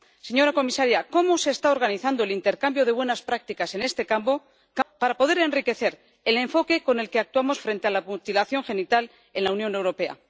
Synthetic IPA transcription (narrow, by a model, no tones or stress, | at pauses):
se̞ɲo̞ɾako̞misaɾjako̞mose̞ːst̪aoɾɣaniθand̪o̞e̞lint̪e̞ɾkambjo̞ð̞e̞βwe̞naspɾak̚t̪ikase̞ne̞st̪e̞kampo̞ | kpaɾapo̞ðe̞ɾe̞nrike̞θe̞ɾ | ele̞ɱfo̞ke̞ko̞ne̞lke̞ak̚t̪uamo̞sfɾe̞nt̪e̞alamut̪ilaθjo̞ŋxe̞nit̪al | e̞nlaunjo̞ne̞wɾo̞pe̞a̰